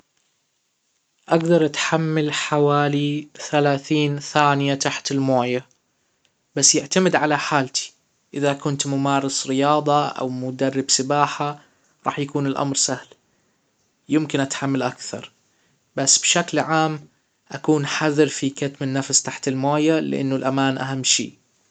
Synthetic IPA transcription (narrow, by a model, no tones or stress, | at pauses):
ʔaɡd̪ɑɾˤʔat̪ħamːalħawaːliθalaːθiːnθaːnɪjat̪aħt̪ɪlmoːja | basːjɪʕt̪amɪd̪ʕalaħaːlt̪i̥ | ʔɪðakʊnt̪mʊmɑːɾˤɑsɾɪjɑːðˤɑʔa̰wmʊd̪arːɪbsɪbaːħa | ɾˤɑ̰ːħjakuːnɪlʔa̰mɾsahl | jɪmkɪnʔat̪ħamːalʔakθɑ̰ɾˤ | basːb̥ʃaklʕaːm | ʔakuːnħaðɪɾfikat̪mɪnːafst̪aħt̪ɪlmoːjalɪʔɪ̰nːʊlʔamaːnʔaɦamːʃḭː